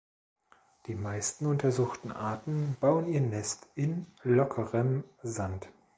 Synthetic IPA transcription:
d̥iːmaɪstn̩ʊntʰɐzuːxtn̩ʔa̰ɐtn̩b̥aʊəniːɐnɛstɪnlɔkʰəʁəmzant

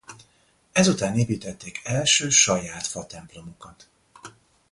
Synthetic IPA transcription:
ɛzut̪aːneːpiːt̪ɛt̪ːeːkɛlʃøːʃɒjaːt̪fɒt̪ɛmplo̞mo̞kɒt̪

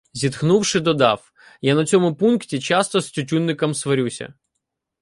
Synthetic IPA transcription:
zʲit̪xnuwʂɪd̪ɔd̪ɑ̰f | janɐt͡sʲɔmʊpunktʲit͡ʃast̪ɔsʲtʲʊtʲunːɪkɐmsʋɔɾʲusʲɐ̰

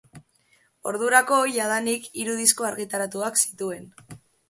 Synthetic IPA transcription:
o̞̰ɾðuɾako̞jaðanikiɾuð̞isko̞aɾɣit̪aɾat̪uaksi̥t̪ue̞n

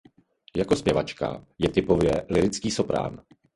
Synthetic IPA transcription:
jako̞spjɛvat͡ʃka̰jɛt̪ɪpo̞vjɛlɪɾɪt͡skiːso̞pɾa̰ːn

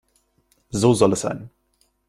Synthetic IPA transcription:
zoːzɔləsa̰n

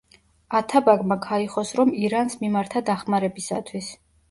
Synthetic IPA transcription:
at̪ʰabaɡmakʰaiχɔsɾɔmiɾansmimaɾt̪ʰad̪aχmaɾɛbisa̰t̪ʰwis

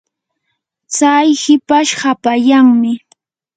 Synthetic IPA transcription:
t͡sajhɪpaʃhapajaŋmɪ

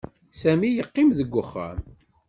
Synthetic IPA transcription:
sæmijəqːɪmðəɡʷːʊχːæ̰m

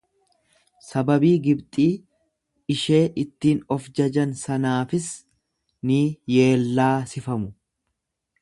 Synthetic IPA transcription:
sɐbɐbiːɡɪbt̪ʼiː | ɪʃe̞ːʔɪt̪ːiːnɔfd͡ʒɐd͡ʒɐnsɐnaːfɪs | nɪje̞ːlːaːsɪfɐmʊ

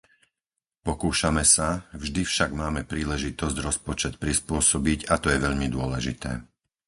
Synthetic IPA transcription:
pɔkuːʃamɛsavʒd̪ifʃaɡmaːmɛpɾiːlɛʒit̪ɔzɟɾɔspɔt͡ʃɛt̪̚pɾispʊɔsɔbiɟat̪ɔjɛʋɛʎmid̪ʊɔlɛʒḭt̪ɛ̰ː

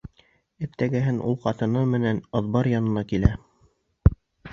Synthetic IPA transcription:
ɘ̆pt̪æɡæɦɘnʔṵlˠqɑt̪ɤ̆nɤmɘ̆nænɤ̆ðbɑɾjɑnɤ̆nɑkilæ

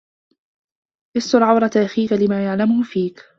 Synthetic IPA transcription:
ʔɪst̪ʊlʕawɾˤɑt̪ʔaxiːkalɪmaːjaʕlamʊhʊfiːk

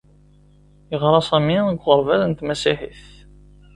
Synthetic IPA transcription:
jəʁɾˤɑsˤæminɡʷʁəɾˤvæðənt̪mæsiħiθ

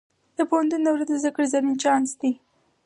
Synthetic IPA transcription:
d̪̥əpohant̪unːawɾad̪əzakəɽzanint͡ʃɑnsd̪i

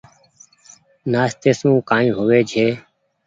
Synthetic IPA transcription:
naːst̪eːsũːkãːĩːɦoːʋeːd͡ʒʱeː

